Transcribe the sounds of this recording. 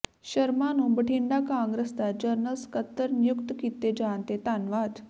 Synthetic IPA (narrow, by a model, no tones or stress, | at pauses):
ɕəɾmanũnbəʈʰiɳɖ̪akãŋɡɾesd̪aɾd͡ʒəɾnəlskət̪ːəɾnjukt̪kit̪ːed͡ʑant̪et̪anʋat̪